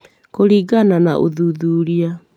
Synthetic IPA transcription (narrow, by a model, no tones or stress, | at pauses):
koɾiːɡananaʔoðuðuːɾia